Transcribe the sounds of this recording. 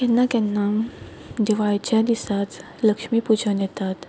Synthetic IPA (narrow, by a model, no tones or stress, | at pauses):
kɛnːakɛnːa | d̪iʋajt͡ɕjad̪isat͡s̪ | ləkʂmiːpud͡ʑʱənjɛt̪at̪